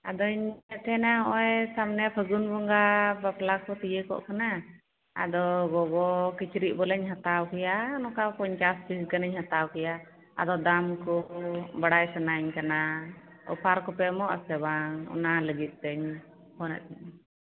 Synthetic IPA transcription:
ad̪ɔɲɛt̪ɛnaɔjsamnɛpʰəɡunbɔŋɡabaplakɔt̪ijəkɔ̰ʔkana | a̰d̪ɔɡɔɡɔkit͡ʃɾiʔ̚ˀbɔlɛɲɦat̪awkɛjanɔkapɔɲt͡ʃaspisɡənəɲhat̪awkɛja | a̰d̪ɔd̪amkɔbaɽajsanaɲkana | ɔpʰaɾkɔpɛmɔʔa̰sɛbaŋɔ̰naləɡit̪̚ˀtɛɲ | pɔnɛ̰ʔt̪̚ɛna

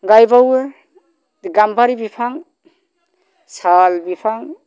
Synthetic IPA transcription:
ɡajbawɯ | ɡambaɾibipʰaŋ | salbipʰaŋ

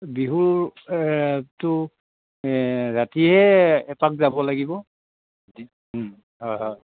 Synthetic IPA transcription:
biɦuɹ | tʊ | ɹatiɦɛɛpak̚zabɔlaɡibɔ | di | hɔjɦɔj

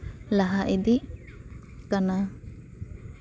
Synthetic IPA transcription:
laɦaʔid̪iʔ | kana

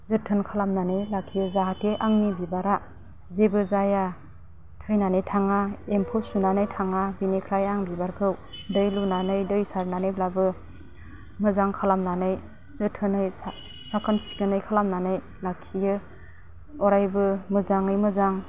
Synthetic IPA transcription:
zɯtʰɯnkʰalamnanɯjlakʰijɯzaɦateʔaŋnibibaɾa | zebɯzaja | tʰɯjnanɯjtʰaŋaempʰosunanɯjtʰaŋabinikʰɾajaŋbibaɾkʰɯwdɯjlunanɯjdɯjsaɾnanɯjblabɯ | mɯzaŋkʰalamnanɯj | zɯtʰɯnɯj | sakʰɯnsi̥kɯnɯjkʰalamnanɯj | lakʰijɯ | ɔɾajbɯmɯzaŋɯjmɯzaŋ

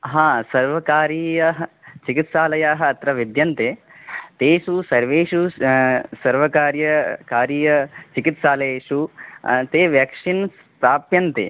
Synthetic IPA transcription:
ɦãːsɐɾʋɐkaːɾiːjɐɦɐt͡ʃikit̪ʃaːlɐjaːɦɐɐt̪ɾɐʋid̪jɐnt̪eː | t̪eːsusɐɾʋeːʃu | sɐɾʋɐkaːɾjɐkaːɾiːjɐt͡ʃikit̪ʃaːlɐjeːʂut̪eːʋjɐkʂins | pɾaːpjɐnt̪ḛː

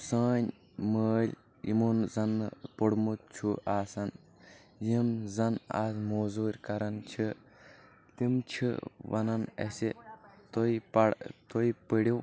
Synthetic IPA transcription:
saːnʲ | məːlʲ | ḭmonzɐnːɨpuɽmut̪t͡ʃʰuʔaːsɐn | jimzɐna̰ːsmoːzuːɾʲkɐɾɐnt͡ʃʰi | t̪imt͡ʃʰḭʋɐ̰nɐnɐ̰sit̪oipɐɽt̪oipəɽiw

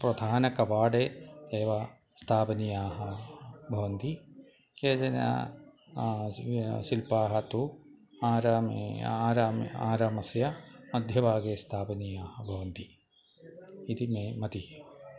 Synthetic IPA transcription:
pɾɐd̪ʱaːnɐkɐʋaːɖeːeːʋɐ | st̪ʰaːpɐnijaːɦɐbʱɐʋɐnt̪ikeːd͡ʒɐnɐ̰ | silpaːɦɐt̪u | aːɾaːmaːɾaːmaːɾaːmɐsjɐmɐd̪ʱjɐʋaːɡeːst̪ʰaːpɐnijaːhɐbʱɐʋɐnt̪i | id̪imeːmɐt̪i

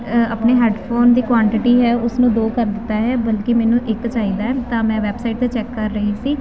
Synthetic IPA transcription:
əpneːɦɛːɖpʰoːnd̪iːkʋãːɳʈɪʈiːɦɛːʊsnũːd̪oːkəɾd̪ɪt̪ːaːɦɛːbəlkɪmɛːnũːʔɪkt͡ʃaːiːd̪aːɦɛt̪ãːmɛ̃ːʋɛːbsaːɪʈ̚t̪eːt͡ʃɛːkːəɾːəɦiːsiː

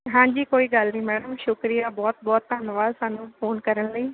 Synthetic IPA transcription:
ɦãːɲd͡ʑiːkoːiɡaːlnĩmɛːɽəmʃʊkɾijabɔːt̪̚bɔːt̪aːnʋaːlsãːnũfoːnkɐɾəɽlɐiː

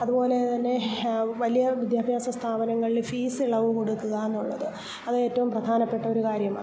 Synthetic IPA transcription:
ɐðupo̞ːle̞t̪ɐnːe̞ʋɐlijɐʋid̪jaːbʱjaːsɐst̪ʰaːbɐnɐŋːɐɭilfiːsiɭɐʋuko̞ɽukːuɣɐe̞nːuɭːɐ̰ðɨ | ɐðɨe̞ːtːɐʋumprɐd̪ʱaːnɐpːe̞ʈːɐo̞ɾukaːɾjɐma̰

